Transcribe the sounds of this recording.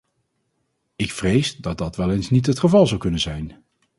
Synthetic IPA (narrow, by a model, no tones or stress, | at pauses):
ɪkfrejzdɑd̚ɑtʋɛlˠejnsnitɦətχəvɑlˠzʌwkɵnənzɛjn